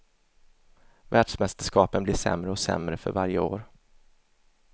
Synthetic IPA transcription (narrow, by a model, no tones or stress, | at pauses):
væːɖʂmɛst̪əʂkɑːpənblɪʂɛ̰mɾəɔsɛ̰mɾəfœ̰ɾvaɾjəo̰ːɾ